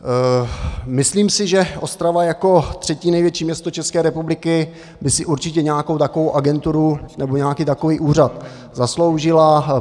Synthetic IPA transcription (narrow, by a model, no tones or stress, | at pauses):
mɪsliːmsɪʒɛʔo̞st̪ɾavajako̞t̪r̥ɛciːnɛjvjɛt͡ʃiːmɲɛst̪ot͡ʃɛskɛːɾɛpublɪkɪ | bɪsɪʔuɾt͡ʃɪcɛɲɛakowt̪akovowʔaɡɛnt̪uɾunɛbo̞ɲɛakiːt̪ako̞viːʔuːr̝at̪ | zaslo̞wʒɪla